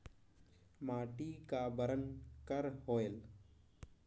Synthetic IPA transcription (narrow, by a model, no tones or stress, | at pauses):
maːʈiːkaːbəɾənkəɾɦoːel